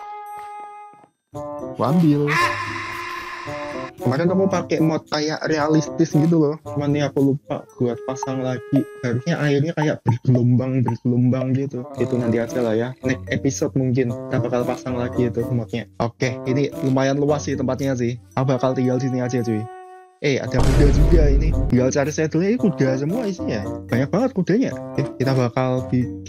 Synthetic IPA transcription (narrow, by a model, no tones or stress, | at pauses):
wa̰mbɪl | kəmaɾɪnt̪əmʊŋpakɛʔmɔt̪̚kajaʔrealist̪ɪsɡit̪̬ulɔhumanːiapulupa̰ʔb̥uat̪̚pasaŋlaɡ̥ib̥a̤ɾuɲaʔaɪrɲakajaʔb̥ərɡ̥əlumbaŋbərɡ̥əlumbaŋɡit̪uit̪unant̪iḁd͡ʒalahjanɪk̚episot̪̚muŋk̬ɪnkit̪abakalpasaŋlaɡ̥iːt̪uumat̪̚ɲaʔokeinilumajanluasɪht̪əmpat̪̚ɲas̬ɪhauba̤kalt̪iŋɡald̪iniad͡ʒad͡ʒuwi | ʔea̰d̥a̤kuda̤d͡ʒuɡainit̪iŋɡalt͡ʃaɾɪsed̪̥əlɲanikud̥as̬əmuaisijab̥a̤ɲak̚b̥aŋət̪̚kud̥a̤ɲa̰okekit̪abakald̥i